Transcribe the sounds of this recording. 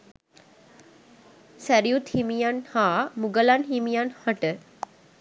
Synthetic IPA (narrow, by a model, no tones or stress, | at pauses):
sæɾijut̪himijanhaːmuɡəlanɦimijanhaʈə